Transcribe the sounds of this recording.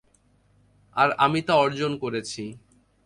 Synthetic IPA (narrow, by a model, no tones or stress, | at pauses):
aɾamit̪aɔɾd͡ʑonkoɾet͡ɕʰi